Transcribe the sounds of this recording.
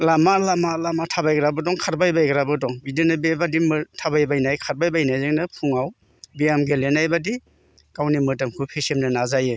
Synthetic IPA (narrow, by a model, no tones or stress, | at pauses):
lamalamalamatʰabajɡɾabɯdɔŋkʰaɾbajbajɡɾabɯdɔŋbidenabebadimɯtʰabajbajnajkʰaɾ̚bajbajnajzeŋnɯpʰuŋaw | bijamɡelenajbadi | kawnimɯtamkʰupʰesemnɯnazajɯ